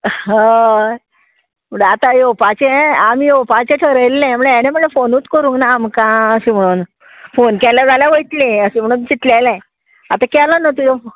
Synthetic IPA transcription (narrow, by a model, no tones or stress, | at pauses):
a | m̤əɽat̪ajopat͡ɕeamijopat͡ɕeʈʰəɾəjlːɛ̃m̤əɭeaneməɽɭefonut̪kəɾũŋknaːmkãəɕĩm̤əɽ̃uːn | fonkɛlad͡zaljaʋəit̪lẽəɕim̤əɽ̃uːnt͡ɕit̪lalɛ̃ | at̪akɛlanət̪ujɔ